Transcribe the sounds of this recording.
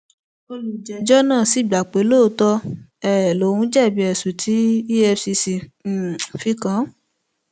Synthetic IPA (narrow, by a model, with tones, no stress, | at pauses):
o˧lu˨d͡ʒɛ˨d͡ʒɔ˦nãː˦˨si˨˦˨ɡ͡ba˨k͡pe˨˦loː˦˨˦tɔ˧ɛ˦˨lo˨˦˨hũ˧˦d͡ʒɛ˦˨bi˨˦ɛ˨su˨tʰi˨˦i˦ɛ˧fsi˧si˧˨ | fi˧˦kã˨˦